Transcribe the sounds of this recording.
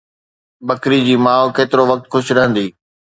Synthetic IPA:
bɐkɾid͡ʑiːmaːokeːt̪ɪɾoʋɐk̚t̪xʰʊʃɾɐɦə̃nd̪iː

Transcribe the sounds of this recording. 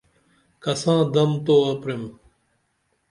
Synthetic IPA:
kɐsãːd̪ɐmt̪oːɐpɾem

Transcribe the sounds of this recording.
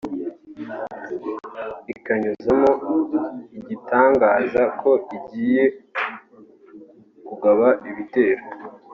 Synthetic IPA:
ikaɲuzamo̞ | iɟitaːŋɡaːzakʰo̞iɟiːje̞ | kuɡaβaʔiβite̞ːɾo

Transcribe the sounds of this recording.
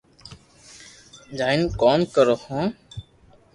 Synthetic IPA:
d͡ʒaːɪnkoːnkəɾoːhõː

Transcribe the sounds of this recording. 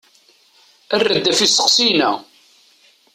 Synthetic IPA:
ərːəd̪ːæfisə̥qsinæ̰

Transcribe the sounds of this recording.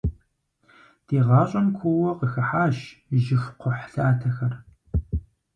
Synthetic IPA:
d̥eːʁɑːɕʼɐnkʷʰʊwɔqəxɐħaːʃʒɪfʷqʷʰʊħɬaːtʰɐxɐr

